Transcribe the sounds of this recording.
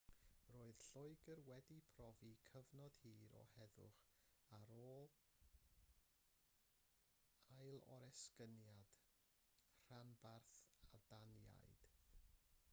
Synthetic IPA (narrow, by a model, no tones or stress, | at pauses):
roːɨð̥ɬʊɨɡərwɛdipʰrɔvikʰəvnɔd̥hiːɾɔ̰hɛðʊ̰χaɾoːlˠ | ajlˠɔ̰ɾɛskənjad̥ | r̥anbarθadanja̰jd̥